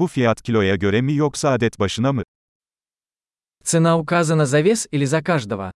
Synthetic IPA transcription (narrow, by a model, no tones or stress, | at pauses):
bufʲijat̪cʰʲilʲo̞jaɟø̞ɾɛmijoksaːd̪ɛt̪baʃɯnamɯ | t̪sɨnaukazɐnɐzavʲesilʲɪzɐkaʐd̪ɐvɐ̰